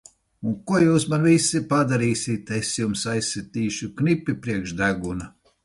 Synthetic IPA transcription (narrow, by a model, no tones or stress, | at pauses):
unkuɔjuːsmanvisːipad̪aɾiːsʲit̪esjumsajsʲːet̪iːʃuknipʲipɾiɛkʃd̪æɡuna